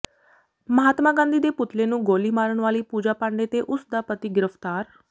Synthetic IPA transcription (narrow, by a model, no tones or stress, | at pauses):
məɦaːt̪mãːɡãːnd̪iːd̪eːpʊt̪leːnũːɡoːliːmaːɾəɳʋaːliːpuːd͡ʒaːpãːɳɖeːt̪eːʔʊsd̪aːpət̪iːɡɪɾəpʰt̪aːɾ